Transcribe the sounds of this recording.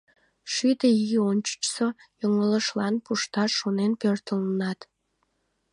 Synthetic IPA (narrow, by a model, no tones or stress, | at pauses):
ʃyd̪eionʲt͡ɕə̥t͡ɕsojoŋələʃlɑnpuʃt̪ɑʃonenpørt̪ələnɑt̪